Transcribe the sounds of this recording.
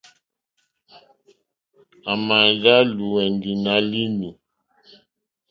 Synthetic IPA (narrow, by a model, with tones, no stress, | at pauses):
a˨ma˨nɣa˦lu˨wɛ˨ndi˨na˦li˦nu˨